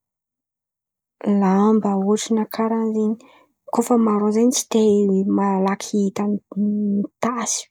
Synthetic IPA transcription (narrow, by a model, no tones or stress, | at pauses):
lambaoʈ͡ʂinakʰaɾanzeɲii̥ | kofəmaɾozenit͡si̥t̪emalakʰiit̪anit̪asi̥